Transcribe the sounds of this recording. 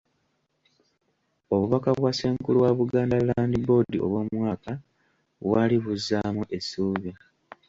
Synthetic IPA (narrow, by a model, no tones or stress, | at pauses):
o̞βuβakaβwaseːŋkuluwaβuɡaːndalaːndibo̞ːdio̞̰βwo̞mwaːka | βwaːliβuzːaːmuʔe̞suːβa